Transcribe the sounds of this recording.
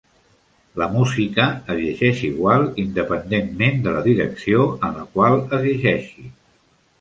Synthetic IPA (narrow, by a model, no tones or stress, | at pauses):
ləmuzikəːzʎəʒɛʃiɣwalˠind̪əpənd̪enmend̪ələðiɾə̰ksioənləkwalˠəzəʒɛʃi